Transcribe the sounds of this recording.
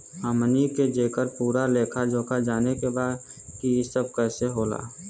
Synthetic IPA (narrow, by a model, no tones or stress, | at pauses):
aməniked͡ʒeːkəɾpuːɾaleːkʰad͡ʒoːkad͡ʒaːnekebaːd̪kiɪsəb̚kɛːseɦoːla̰ː